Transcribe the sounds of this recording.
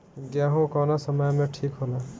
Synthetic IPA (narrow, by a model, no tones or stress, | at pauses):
ɡjaɦũkɔnasəməjmẽʈʰiːkɦola